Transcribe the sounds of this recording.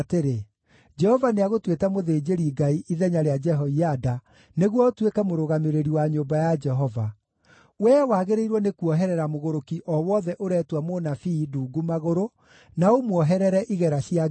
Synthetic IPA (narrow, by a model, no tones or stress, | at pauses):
teɾe | d͡ʒɛhɔvaneaɣotwetamoðeːd͡ʒeɾiɡaiʔiðɛɲaɾead͡ʒɛɦɔiada | neɣwɔotwekɛmoɾoɣameɾeɾiwaɲobajad͡ʒɛɦɔva | wɛwaɣeɾeiɾwɔnekuɔɦɛɾɛɾamoɣoɾokiʔɔwɔðɛʔoɾɛtwamonafiduːɡumaɣoɾo | naomwɔɦɛɾɛɾɛʔiɣɛɾaɕia